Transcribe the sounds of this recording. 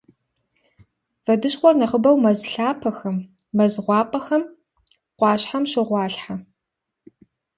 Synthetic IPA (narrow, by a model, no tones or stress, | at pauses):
v̥ɐdɨɕχʷɔrnɐχəbɐwmɐzɬaːpʰɐxɐmː | ɐzʁʷɑːpʼɐxɐm | qʷɑːɕħamʃɪʁʷɑːɬħa